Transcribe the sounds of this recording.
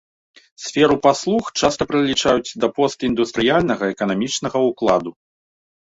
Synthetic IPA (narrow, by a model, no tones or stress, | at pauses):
sʲfʲɛɾupaslˠuxt͡ʂast̪ɐpɾɐlʲit͡ʂajut͡sʲd̪ɐpɔst̪ind̪ust̪ɾɨjalʲnɐɣɐɛkɐnamʲit͡ʂnɐɣɐuklˠad̪u